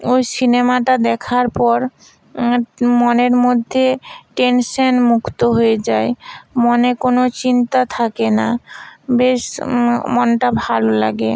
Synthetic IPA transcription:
ojsinemaʈad̪ɛkʰaɾpɔɾ | moneɾmod̪ʱːeʈenʃonmukʰt̪oɦojed͡ʑaemonekonot͡ɕint̪at̪ʰakenabeʃmonʈabʱalolaɡe

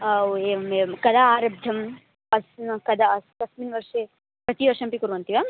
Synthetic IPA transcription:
eekɐd̪aaːɾɐbd̪ʱɐm | ɐskɐd̪askɐsminʋɐɾʂe | pɾɐt̪iʋɐɾʂɐmpikuɾʋɐnt̪iʋa

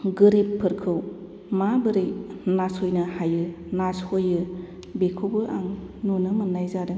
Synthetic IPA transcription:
ɡɯɾepʰːɯɾkʰɯw | mabɯɾɯjnashojnɯhajɯ | nashojɯ | bekʰobɯʔaŋnunɯmɯnːajzaɾɯ

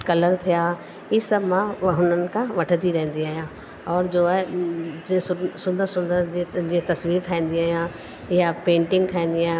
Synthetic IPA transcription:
kɐləɾt̪ʰijaː | iːsəbmãɦʊnənɪ̆kʰãʋɐʈʰət̪iɾɐ̃ɦə̃nd̪iaːɦijã | ɔːɾd͡ʑoːaed͡ʑ̃sʊsʊ̃nd̪əɾsʊ̃nd̪əɾd͡ʑed͡ʑet̪ɐsʋiːɾt̪ʰaːɦĩːnd̪iaːɦijã | ɪjapẽːɳʈɪ̃ŋɡtʰaːĩnd̪iãː

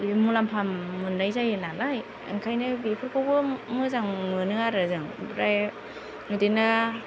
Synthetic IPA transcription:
dimulampʰamːunːajzajɯnalaj | ɯ̰ŋkʰajnɯbipʰɯɾkʰɯɡɯmɯzaŋɯnɯaɾɯzɯŋɾaj | ŋɯdinɯ

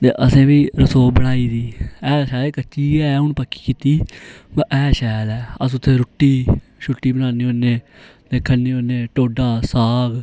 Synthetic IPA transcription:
t̪ḛːʔəsẽːʋiːɾəsoːbəɽaːiːd̪iːɛːʃɛːlekət͡ʃiːɛːɦʊnpəkːi̥ːkiːt̪iːbʔɛːʃɛːlɛːəs̬ʊt̪ʰːeːɾʊʈːiːʃʊʈːiːbənaːneːoːneːt̪eːkʰəneːoːneːʈoːɖaːsaːɡ

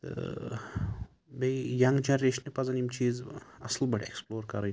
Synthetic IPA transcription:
t̪ɨ̰ | bejjɐŋɡd͡ʒɐnɾeːʃnepɐzɐnimt͡ʃiːzɐslbɐʈʰeksploːɾkɐɾɐj

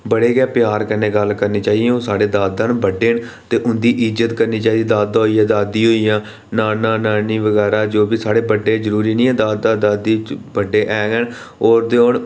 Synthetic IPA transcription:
bəɽeːɡɛːpjaːɾkənːeːɡəlkəɾneːt͡ʃaːiõːsaːɽeːd̪aːd̪ãːnːbəɖeːn | t̪eːʔʊnd̪iːʔɪd͡ʒət̪kəɾniːt͡ʃaːid̪iːd̪aːd̪aːɦoijãːd̪aːd̪iːɦoːijãː | naːnãːnaːniːʋəɡɛːɾaːd͡ʒoːbiːsaːɽeːbəɖeːzəɾuːɾiːnĩːɛ̃ːd̪aːd̪ãːd̪aːd̪iːbəɖːeːʔɛːɡənoːɾd̪eoːn

